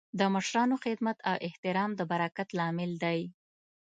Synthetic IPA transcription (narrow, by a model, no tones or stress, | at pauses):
d̪əməʃɾɑnoxɪd̪mat̪ʰawʔɪht̪ɪɾɑmd̪əbaɾakat̪lɑmɪld̪aj